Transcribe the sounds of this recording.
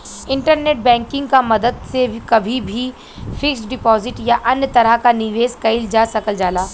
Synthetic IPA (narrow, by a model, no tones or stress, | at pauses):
ɪ̃ɳʈəɾneːʈ̚bɛ̃ːŋkɪ̃ŋɡkamɐd̪əd̪sekɐbʱibʱi | fɪksɖɪpɔːzɪʈjaʔɐnjət̪ɐɾəkanɪʋeːzkɐɪld͡ʒaːsɐkəld͡ʒaːlaː